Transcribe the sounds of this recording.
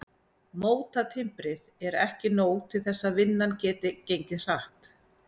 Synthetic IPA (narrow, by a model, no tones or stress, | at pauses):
moːwt̪at̪ʰɪmpɾɪðɛɾɛhcɪnoːwt̪ʰɪlθɛsːaðvɪnːancɛːt̪ɪcejɲcɪr̥aht̪